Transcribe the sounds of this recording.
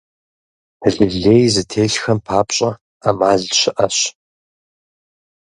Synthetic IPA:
hɐɮiɮeːjzɨtʰeːɬxɐmpʰaːpɕʼɐ | amaːɮɕɪʔɐɕ

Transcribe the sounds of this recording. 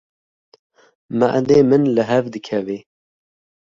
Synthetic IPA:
maʔd̪eːmɨnlɨɦɛvd̪ɨkʰɛveː

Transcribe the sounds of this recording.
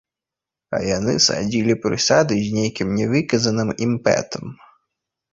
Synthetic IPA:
ɐ̰janɨsa̰d͡zʲilʲipɾɨsad̪ɨzʲnʲejkʲimnʲɛvɨkɐzɐnɨmimpɛ̰t̪ʰɐm

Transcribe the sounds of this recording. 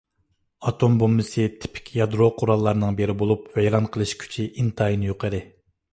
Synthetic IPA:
ɑt̪ʰombomːɨsɨt̪ʰɪ̥pʰɪ̥kʲʰjɑd̪ɾoqʰʊɾɑlˠːɑɾnɨŋbeɾɪbolˠupvɛjɾɑnqʰəlˠɨʃkʲʰy̥t͡ʃʰiʔint̪ʰɑjinɨjoqʰəɾɨ

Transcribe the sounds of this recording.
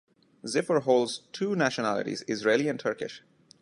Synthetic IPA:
zɪfəɾɦoːlɖz̥ʈʰuːnæʃənælɪ̰ʈḭzɪzɹeɪliæ̃nʈʰəɾkɪ̰ʃ

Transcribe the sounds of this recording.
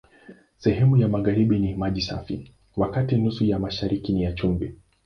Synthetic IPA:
sɛɦɛmujamaɣaɾiɓinimaʄisa̰fḭ | wakatinusujamaʃaɾikinijat͡ʃumbɛ

